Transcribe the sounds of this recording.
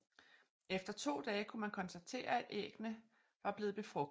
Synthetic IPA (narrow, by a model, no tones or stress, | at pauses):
efd̥ɐt͡sʰo̝̰ːd̥ɛːkʰumænkʰɒ̽nsd̥æt͡sʰe̝̰ːɐæd̥eɡ̥nə | ʋɑ̈b̥le̝ːð̞̩ˠb̥e̝fʁɔ̽ɡ̥̩̚